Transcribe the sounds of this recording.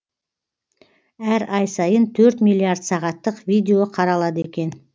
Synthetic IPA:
æɾɑjsɑjənt̪ʰɵɾt̪milːiaɾd̪sɑʁɑt̪ːəqvʲijd̪ʲe̞oqʰɑɾɑlˠɑd̪əe̞kʲe̞n

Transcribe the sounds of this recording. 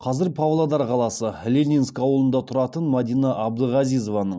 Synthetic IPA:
qʰɑzɪɾpʰavlˠad̪ɑɾqʰɑlˠɑsəlʲenʲinskɑwəlˠənd̪ɑt̪ʰʊɾɑt̪ənmad̪ijnɑʔɑbd̪əʁɑzijzo̞vɑnəɴ

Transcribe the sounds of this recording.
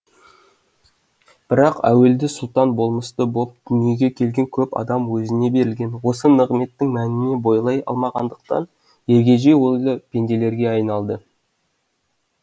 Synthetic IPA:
b̥ɪɾɑqæ̰we̞ld̪ɪsʊlˠt̪ɑnbo̞lˠməst̪əbo̞p̚d̪̥ʏnije̞ɡʲe̞kʲʰe̞lɡʲe̞ŋkʲʰɵpɑ̰d̪ɑmwɵzɪne̞be̞ɾɪlɡʲe̞nwo̞sənəʁme̞t̪ːɪŋmænɪne̞bo̞jlˠɑjɑ̰lˠmɑʁɑnd̪əq̚t̪ɑ̰n | je̞ɾɡʲe̞ʒejwolˠəpʲʰe̞nd̪e̞le̞ɾɡʲe̞ɑjnɑlˠd̪ə

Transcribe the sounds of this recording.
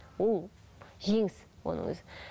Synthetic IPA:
wolˠʒeŋɪswo̰nə̰ŋwɵ̰zɪ

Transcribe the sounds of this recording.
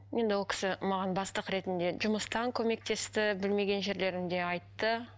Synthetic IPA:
je̞nd̪ɪwo̞lˠkʲɪ̥sɪmɑʁɑnbɑst̪əqɾe̞t̪ɪnd̪e̞ʒʊməst̪ɑŋkʲʰɵme̞k̚t̪e̞st̪ɪbɪlme̞ɡʲe̞nʒe̞ɾle̞ɾɪmd̪e̞ɑjt̪ːə

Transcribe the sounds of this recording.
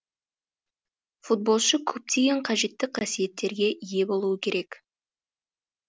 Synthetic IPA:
fut̪̚bo̞lˠʃəkʲʰɵp̚t̪ʰe̞jeɴqʰɑʒe̞t̪ːɪqʰɑsije̞t̪ːe̞ɾɡʲe̞ʔije̞bo̞lˠuəkʲʰeɾʔe̞k

